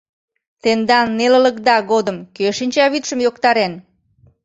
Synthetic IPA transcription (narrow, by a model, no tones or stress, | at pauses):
t̪end̪ɑnːelələkd̪ɑɣod̪əmkøʃinʲt͡ɕɑβit̪ʃəmjokt̪ɑɾen